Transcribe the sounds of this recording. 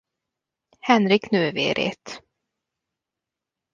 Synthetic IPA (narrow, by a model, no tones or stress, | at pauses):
hɛnɾɪknøːvḛːɾḛːt̪